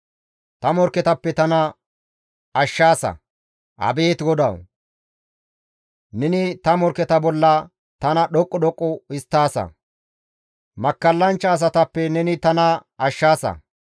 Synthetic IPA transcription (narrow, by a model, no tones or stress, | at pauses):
t̪ɐmɔɾkɛt̪ɐpːɛt̪ɐnɐ | ɐʃːaːsɐ̰ | ʔɐ̰beːt̪ɡɔd̪ɐw | nɛnɪt̪ɐmɔɾkːɛt̪ɐbɔlːɐ | t̪ɐnɐɗɔkʼːɔɗɔkʼːɔɪst̪ːaːsɐ̰ | mɐkːɐlːɐnt͡ʃːɐːs̬ɐt̪ɐpːɛnɛnɪt̪ɐnɐɐʃːaːsɐ̰